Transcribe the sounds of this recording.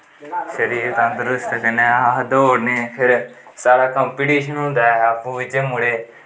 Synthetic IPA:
ʃəɾiːɾt̪ãːd̪əɾʊst̪kəneːad̪oːɽneːpʰɪɾ | saːɾaːkəmpiːʈiːʃənɦõːnd̪aːɛapũːʋɪt͡ʃemʊɽeː

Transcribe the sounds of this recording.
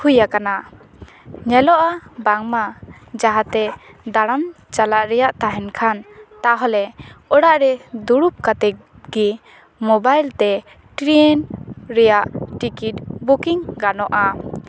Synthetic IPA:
hujakana | ɲɛlɔʔabaŋma | d͡ʒaɦat̪ɛ | d̪aɽ̃am | t͡ʃalaʔɾɛjaʔt̪aɦɛnkʰant̪aɦɔlɛɔɽaʔɾɛd̪uɽup̚kat̪ɛ | ɡi | mɔbajlt̪ɛ | ʈɾinɾɛjaʔʈikiʈ̚bukiŋɡanɔʔa

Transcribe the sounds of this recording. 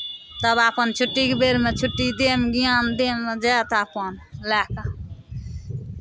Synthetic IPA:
t̪ʌbapənt͡ʃʰʊʈːikbeɾmet͡ʃʰʊʈːid̪emɡijãmd̪emːed͡ʒat̪aːpʌnlaːka

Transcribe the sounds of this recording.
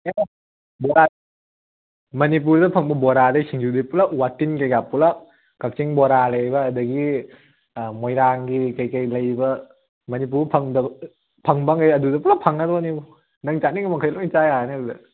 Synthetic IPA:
e | bɔɾa | mɐnip̬uɾdɐpʰaŋbɐbɔɾadasʰiŋd͡ʒudɯjpulak̚watinkajɡapulak̚ | kak̚t͡ʃiŋbɔɾalajbɐːdɐɡi | mɔjɾaŋɡikajkajlɐjbɐ | mɐnip̬uɾpʰɐŋdɐ | pʰaŋbaŋajɐdudɐpulapʰaŋadɔnibu | naŋt͡ʃaniŋamaŋkʰajlɔjt͡ʃajanɯdudɐ

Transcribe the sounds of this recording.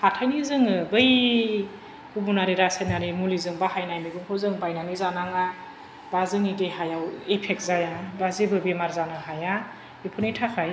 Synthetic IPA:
hatʰajnizɯŋɯbɯj | kubunaɾiɾasenaɾimulizɯŋbaɦajnajmiɡuŋkʰozɯŋbajnanizanaŋa | bazɯŋiteɦajawepʰek̚zajabazibɯbimaɾzanɯɦaja | epʰunijtʰakʰaj

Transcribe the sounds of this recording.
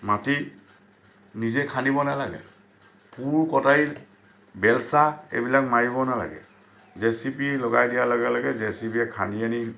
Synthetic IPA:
mati | nizɛkʰanibɔnalaɡɛ̰ | puɹkɔtai | bɛlsaḛbilak̚maɹiβɔnala̰ɡɛ̰ | zɛsipilɔɡajdijalɔɡalaɡɛzɛsipiɛkʰaniani

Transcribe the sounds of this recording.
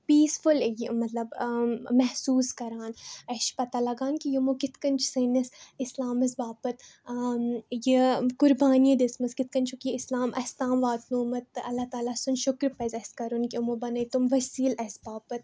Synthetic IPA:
piːsfʊljimɐt̪lɐbmɛɦsuːskɐɾaːnɐʃpɐt̪alɐɡaːnkijɐmokɪt̪kɐnt͡ʃʰsɐːnɐsɪslaːmɐs̬baːpɐt̪ | jikʊɾbaːniɐd̪esmɐskɪt̪̚kɐnt͡ʃʰukiɪslaːmʔɐst̪aːmʋaːt̪nuːmɐt̪ɐlːat̪aːlasʊnʃʊkɾpɐzʲɐskɐɾunkimobɐnɐjt̪umʋɐsiːlɐsbaːpɐt̪

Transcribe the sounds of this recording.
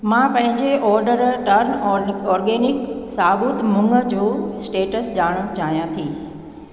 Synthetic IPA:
mãpɐ̃ɦɪ̃ɲd͡ʑeʔɔːɾɖəɾʈəɾnɔːɾɡeːnɪksaːbʊt̪mʊ̃ŋɡə̆d͡ʑoːsʈeːʈəsʄaːɽ̃õt͡ɕaːɦijãt̪ʰiː

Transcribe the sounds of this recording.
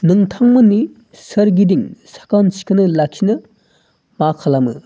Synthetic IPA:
nɯŋt̪ʰaŋmənːi | səɾɡid̪iŋsḁkansi̥kʰɯnɯlakʰinɯ | makʰalamɯ̰

